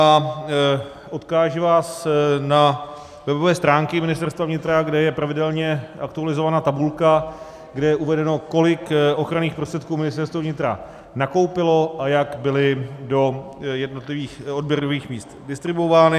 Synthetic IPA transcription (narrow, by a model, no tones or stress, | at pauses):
a | ʔo̞t̪kaːʒɪvaːsna | vɛbovɛːst̪ɾaːŋkɪmɪnɪst̪ɛɾst̪vavɲɪt̪ɾaɡdɛjɛpɾavɪdɛlɲɛʔakt̪ualɪzo̞vanaːt̪abulka | ɡdɛjɛʔuvɛdɛno̞ko̞lɪkʔo̞xɾaniːxpɾost̪r̥ɛt̪̚kuːmɪnɪst̪ɛɾst̪vovɲɪt̪ɾa | nako̞wpɪlo̞ʔajakbɪlɪdo̞ | jɛdno̞t̪lɪviːxod̚bjɛɾoviːxmiːst̪dɪst̪ɾɪbuovaːnɪ